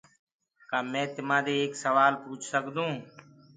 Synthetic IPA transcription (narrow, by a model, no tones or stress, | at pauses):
kaːmɛ̃ːt̪ɪmãːd̪eːeːksəʋaːlpuːt͡ʃʰsəkd̪ũː